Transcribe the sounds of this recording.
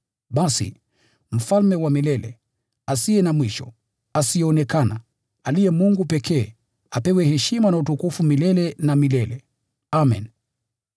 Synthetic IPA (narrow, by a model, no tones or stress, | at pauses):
ɓasḭ | m̩falmɛwamilɛlɛ̰ | asiɛnamwiʃɔ̰ | asijɛɔnɛkana̰ | alijɛmuŋɡupɛkʰɛː | apɛwɛhɛʃimanautukufumilɛlɛnamilɛlɛ | amɛ̰n